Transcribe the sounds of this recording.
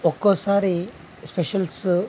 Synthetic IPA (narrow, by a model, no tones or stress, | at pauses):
okosaɾi | speɕəls